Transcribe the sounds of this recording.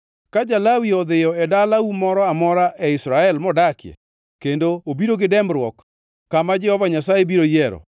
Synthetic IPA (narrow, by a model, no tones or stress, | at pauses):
kad͡ʒalawiɔd̪ɪjɔɛdalaumɔɾɔamɔɾaʔɛɪsɾaɛlmɔdakjɛ̰ | kendoobiɾoɡɪdɛmɾwɔkː | amad͡ʒɛhɔvaɲasajebiɾojɛɾɔ̰